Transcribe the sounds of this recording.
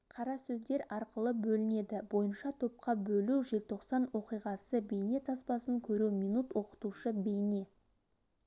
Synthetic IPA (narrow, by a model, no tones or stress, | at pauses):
qʰɑɾɑsɵzd̪e̞ɾɑɾqəlˠəbɵlɪne̞d̪ɪbo̞jənʃɑt̪ʰo̞p̚qɑbɵluʒe̞lt̪ʰo̞qsɑnwo̞qijʁɑsəbe̞jne̞t̪ʰɑspɑsəŋkʲʰɵɾuwmijnut̪wo̞qə̥t̪uʃəbejne̞